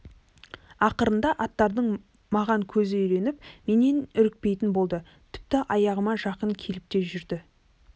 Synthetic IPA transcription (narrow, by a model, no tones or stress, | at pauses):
ɑqəɾənd̪ɑʔɑt̪ːɑɾd̪əɴ | mɑʁɑŋkʲʰɵzɪʏjɾe̞nɪp̚me̞ne̞nʏɾɪk̚pe̞jt̪ɪnbo̞lˠd̪ə | t̪ʰɪ̥p̚t̪ɪʔɑjɑʁəmɑʒɑqəŋkʲʰe̞lɪp̚t̪e̞ʒʏɾd̪ɪ